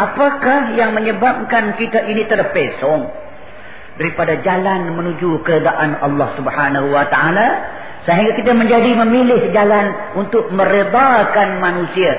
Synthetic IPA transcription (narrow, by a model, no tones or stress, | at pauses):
ʔapakahjaŋməɲəbap̚kankit̪aʔinit̪ərpesɔŋ | daɾipadad͡ʒalanmənud͡ʒukəɾed̪aʔanɑlːɑhsubhanaɦuwat̪aʔala | səɦiŋɡakit̪̬aməɲd͡ʒadiməmilɪhd͡ʒalan | unt̪ʊk̚məɾed̪akanmanusia